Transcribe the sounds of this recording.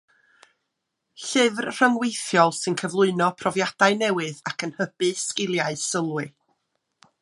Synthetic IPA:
ɬɨvrr̥əŋwejθjɔlˠsɨnkʰəvlˠʊɨnɔpʰrɔvjad̥aɨnɛwɨðakʰənhəb̥ɨskɪlˠjaɨsəlˠwɨ

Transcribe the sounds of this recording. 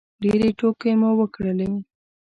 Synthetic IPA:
ɖeɾeʈokemowəkɽəle

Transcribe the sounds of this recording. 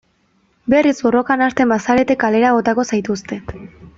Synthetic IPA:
be̞rizbo̞ro̞kanast̪e̞mbasaɾe̞t̪e̞kale̞ɾaɣo̞t̪ako̞sajt̪ust̪e̞

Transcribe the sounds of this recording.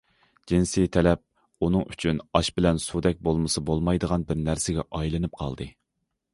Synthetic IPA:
d͡ʒinsit̪ʰɛlɛp̚ | unɨŋyt͡ʃʰynɑʃbɪlɛnsud̪ɛk̚ʲbolˠmɨsɨbolˠmɑjd̪əʁɑnbɪɾnæɾsɪɡʲɛʔɑjlˠɨnɨp̚qʰɑ̰lˠd̪ɨ

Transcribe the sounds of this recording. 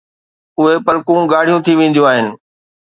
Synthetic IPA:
ʊɦepəlkũɡaːɽ̤ijũt̪ʰiʋẽːnd̪jũaːɦɪnɪ̆

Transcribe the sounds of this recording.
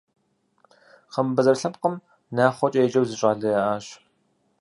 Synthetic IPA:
χəmbɨzɐrɬɐmqəm | naːχʷɔt͡ʃʼejt͡ʃʼɐwzɨɕʼaːɮɐɐʔaːɕ

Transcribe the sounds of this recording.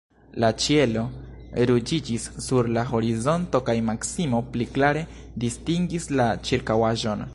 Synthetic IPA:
lat͡ʃie̞lo̞ɾud͡ʒid͡ʒisːuɾlaɦo̞ɾizo̞nto̞kajmaksimo̞pliklaɾe̞ | distiŋɡislat͡ʃiɾkawaʒo̞n

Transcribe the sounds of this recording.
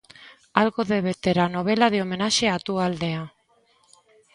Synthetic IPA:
alɣo̞ðeβet̪e̞ɾano̞β̞e̞laðeo̞me̞naʃe̞at̪uald̪e̞a

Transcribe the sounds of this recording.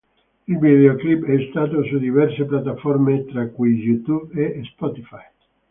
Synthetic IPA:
ilvid̪eoklibɛst̪aːt̪̬osud̪ivɛrseplat̪ːafɔrmet̪ɾakːujjut̪ubespɔt̪ifaj

